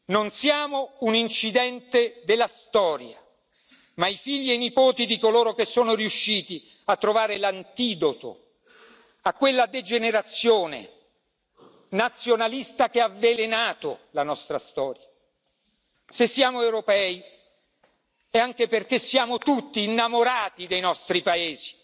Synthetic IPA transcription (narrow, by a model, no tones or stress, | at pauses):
nonsjaːmounint͡ʃid̪ɛnt̪ed̪elːast̪ɔːɾja | maifiʎːienipoːt̪id̪ikoloːɾok̟esːoːnoɾiuʃːiːt̪i | at̪ːɾovaːɾelant̪iːd̪ot̪o̰ | akːwelːad̪ed͡ʒeneɾat̪sːjoːnḛ | nat̪sːjonalist̪ak̟eavelenaːt̪olanɔst̪ɾast̪ɔːɾja | sesːjaːmoewɾopɛːi | ɛaŋk̟eperk̟esːjaːmot̪ut̪ːiːnːamoɾaːt̪id̪ejnɔst̪ɾipaeːzi̥